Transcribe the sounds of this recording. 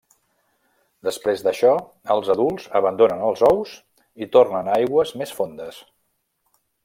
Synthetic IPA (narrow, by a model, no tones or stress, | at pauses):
d̪əspɾezd̪əʃɔ | əlˠzəðulˠzəβənd̪onənəlˠzɔwz | it̪ornənajɣwəzmesfond̪əs